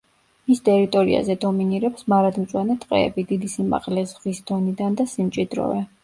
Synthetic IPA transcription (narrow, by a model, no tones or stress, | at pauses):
mist̪ʼɛɾit̪ʼɔɾḭa̰zɛd̪ɔminiɾɛpsmaɾad̪mt̪sʼwanɛt̪ʼqʼɛ̰ɛ̰bid̪id̪isima̰qʼlɛzʁwisd̪ɔnid̪and̪asimt͡ʃʼid̪ɾɔ̰vɛ